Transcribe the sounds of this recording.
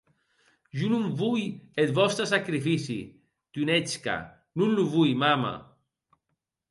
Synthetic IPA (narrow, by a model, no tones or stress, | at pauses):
ʒunumvujet̪bɔst̪ɾasakɾifisḭ | t̪unet͡ska̰ | nunluvujmama̰